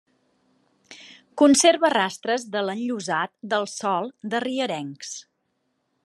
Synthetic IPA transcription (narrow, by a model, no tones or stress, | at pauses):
kunseɾβərast̪ɾəzðələnʎuzat̪̚d̪əlˠsɔlˠd̪əriəɾɛŋks